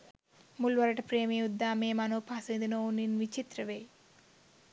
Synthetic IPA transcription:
mulʋɐɾɐʈɐpɾeːmeːud̪ːaːmeːmɐnoːpʰasind̪inouninʋit͡ʃit̪ɾɐʋeː

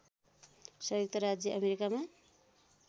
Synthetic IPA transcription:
sʌjok̚t̪ʌɾad͡zjʌʔʌmeɾikama

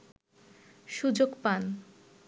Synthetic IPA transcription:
ʃud͡ʑokpan

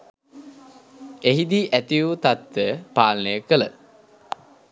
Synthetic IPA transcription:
eɦid̪iʔæt̪ijut̪at̪ːəpaːlnəjəkələ

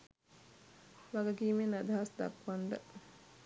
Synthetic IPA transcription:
ʋaɡɐɡiːmenad̪aɦasd̪a̰kʋaɳɖə

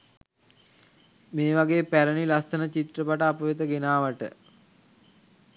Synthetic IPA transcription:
meːʋaɡeːpæɾənilasənət͡ʃit̪rəpaʈəapəʋet̪əɡenaːʋəʈə̰

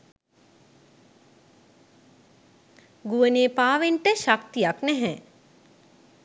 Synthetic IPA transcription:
ɡuʋəneːpaːʋeɳʈəʃak̚t̪ijaknɛɦɛ

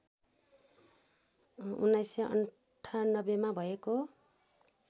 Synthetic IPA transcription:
unːajsʌʌ̰ɳ | ʈʰanʌbemabʱʌeko

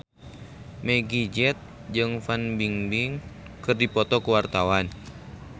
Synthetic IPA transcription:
mɛɡid͡ʒɛt̪̚ | d͡ʒɨŋfanbiŋbiŋ | kɨrdipɔt̪ɔkuwart̪awan

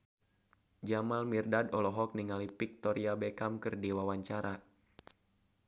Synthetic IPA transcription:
d͡ʒamalmirdadɔlɔɦɔk̚niŋalipik̚t̪ɔɾiabekamkɨrdiwawaɲt͡ʃaɾa

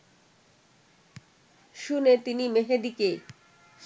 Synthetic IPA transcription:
ʃunet̪inimeɦed̪ike

